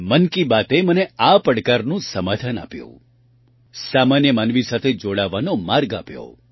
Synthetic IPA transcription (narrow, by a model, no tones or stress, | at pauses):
mənkibat̪eməneapəɽkaɾnũsəmad̪ʱana̰pjõ̰ | samanjəmanʋisat̪ʰed͡ʒoɽaʋːanomaɾɡa̰pjo̰